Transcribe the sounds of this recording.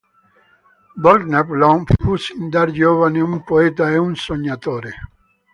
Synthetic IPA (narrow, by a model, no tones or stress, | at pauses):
bɔld̪naplɔnfusind̪aɾd͡ʒoːvaniumpoɛt̪aɛunsoɲːat̪oːɾe